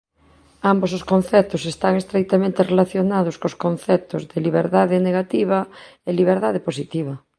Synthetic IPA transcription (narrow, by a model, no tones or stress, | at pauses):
ambos̬oskonθɛp̚t̪osest̪aŋest̪ɾek̚t̪amẽnt̪erelaθjonað̞ʊskoskonθɛp̚t̪ozðeliβ̞eɾðaðeneɣat̪iβ̞aeliβ̞eɾðaðeposit̪iβ̞ɐ